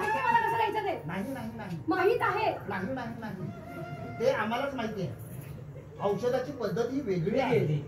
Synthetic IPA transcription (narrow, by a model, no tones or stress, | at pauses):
məlakəsət̪jat͡ɕat̪enaɦinaɦinaɦimaɦit̪aɦenaɦinaɦinaɦi | t̪eam̤alat͡smaɦit̪eɛ̰ | ə̃wɕəd̪at͡ɕiːpəd̪ʱːət̪ɦiːʋeɡɭiːaɦele